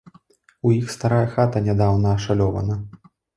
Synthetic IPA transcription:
ujixst̪aɾajɐxat̪ɐnʲad̪awnɐːʂalʲɔvɐ̰nɐ

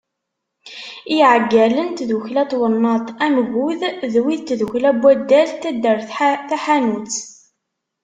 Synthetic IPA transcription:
iʕəɡːælənt̪ðuçlæt̪ˤwənːɑt̪ˤænɣʊððwiðt̪ðuçlæbːæd̪ːælt̪æd̪ːəɾθθæħænut͡s

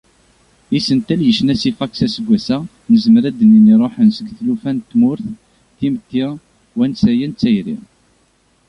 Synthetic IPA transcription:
isənt̪æljəʃnæsifɑksæsəɡʷːæsæ | nəzmɾæd̪əniniɾˤoħənsəɡθlufænt̪ːmʊɾθ | θimt̪ːi | wænsæjænt͡sːæjɾḭ

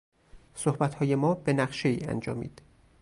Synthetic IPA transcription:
sohbæt̪hɒːje̞mɒːbe̞næχʃe̞iːæ̰nd͡ʒɒ̰ːmḭːd̪̥

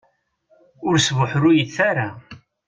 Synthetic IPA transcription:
ʊɾsvʊħɾʊjiθaɾa

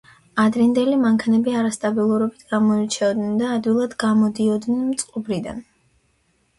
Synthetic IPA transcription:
ad̪ɾind̪ɛlimaŋkʰanɛbiaɾast̪ʼabilˠuɾɔbit̪ʰɡamɔit͡ʃʰɛɔd̪nɛnd̪aːd̪wilˠad̪ɡamɔd̪iɔd̪nɛnmt̪sʼqʼɔbɾid̪a̰n

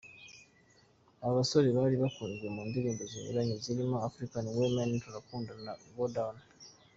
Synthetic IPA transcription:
aβaso̞ɾeβaliβakuːɲɟemuːndiɾiːnduzinḭɾaɲeziɾimoafɾikaniwemenituɾakuːndanaβodana

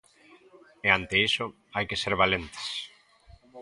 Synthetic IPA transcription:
eant̪eisʊ | ajkeseɾβalent̪ɪ̥s

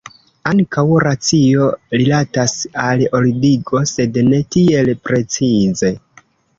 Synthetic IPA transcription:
aŋkawɾat͡sio̞ɾilatasalolidiɡo̞se̞dne̞tie̞lpɾe̞t͡size̞

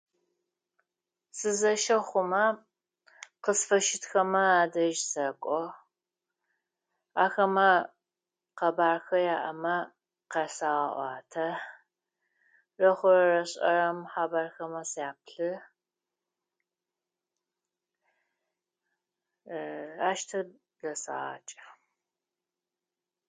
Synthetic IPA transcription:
sɨzɐʃɐχʷʊmɐ | qəsfɐʃɪtxɐmɐaːdɐʒsɐkʷʼɔ | aːxɐmɐ | qɐbaːrxɐjaːʔɐmɐ | qɐsaːʁɐ̰ʔʷɑ̰ːtʰɐ | rɐχʷʊɾɐɾɐɕʼɐ̰ɾɐmħaːbaːrxɐmɐsjaːpɬɨ | aːʃtʰɐ | dɐsa̰a̰ːt͡ʃʼɐ̥

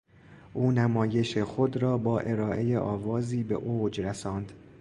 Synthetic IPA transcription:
ʔuːnæmɒːje̞ʃexod̪ɾɒːbɒːʔe̞ɾɒːʔe̞jeʔɒːvɒːziːbḛʔoːd͡ʒɾæsɒːnd̪

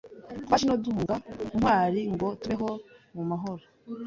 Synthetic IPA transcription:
twaʃinoduhuŋɡaumhwaːɾiŋɡo̞tuβeɦo̞mumaɦoɾo

